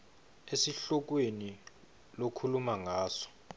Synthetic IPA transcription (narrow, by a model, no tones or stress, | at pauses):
esiɬɔk̬weni | lokʰulumaŋaːsɔ̥